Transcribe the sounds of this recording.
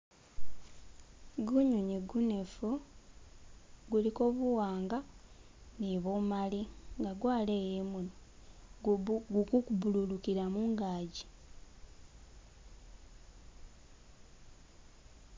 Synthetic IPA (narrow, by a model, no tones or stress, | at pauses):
ɡuɲuɲiɡune̞fu | ɡuliko̞ːβuwaːŋɡa | niβoːmaliŋɡaɡwaːleːjeːmuno | ɡukukubululukiɾamuŋɡaːɟi